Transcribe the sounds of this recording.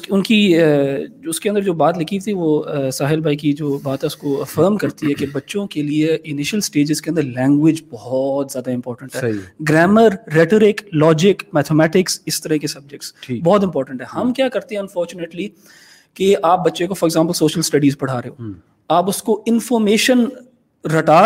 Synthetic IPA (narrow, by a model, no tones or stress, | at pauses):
ʊnki | ʊskeɐ̃nd̪əɾd͡ʒoːbaːt̪lɪkʰit̪ʰiʋosaːɦɪlbʱaːikid͡ʒoːbaːt̪ɦɛʊskoɐfəːɾmkɐɾt̪iɦɛkebɐtːʃõkelieɪnɪʃəlsʈeːd͡ʒɪzkeɐ̃nd̪əɾlɛ̃ːŋɡwɪd͡ʒbɔɦɔːt̪zjaːd̪aɪ̃mpɔːɾʈə̃ɳʈɦɛːɦiɡɾɛːməɾːeʈəɾɪklɔːd͡ʒɪkmɛːt̪ʰemɛːʈɪksɪst̪ɐɾəɦkesɐb̚d͡ʒɪk̚ʈsʰːbɔːt̪̬ɪ̃mpɔːʈə̃ɳʈɦɛhɐmkjaːkɐɾt̪ẽɦɛ̃ɐ̃nfɔːɾt͡ʃʊneːʈli | keaːp̚bɐtːʃẽkofɔːɾɪɡzãːmpəlsoːʃəlsʈɐɖiːzpɐɽ̤aːɾeɦoː | aːpʊskoɪnfɔːɾmeːʃən | ɾɐʈaː